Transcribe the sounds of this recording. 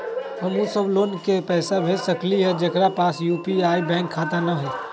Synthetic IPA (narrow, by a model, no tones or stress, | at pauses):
hɐmusəbloːnkepɛːsabʱesɐkliɦɛd͡ʒɐkɾapaːsjuːpiaːibɛ̃ːŋkʰːaːt̪anaɦɛː